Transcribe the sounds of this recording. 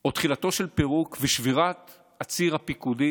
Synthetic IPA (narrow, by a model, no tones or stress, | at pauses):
ot̪χilat̪o̞ʃelpeʁukveʃviʁat̪ | at͡siʁhapikudi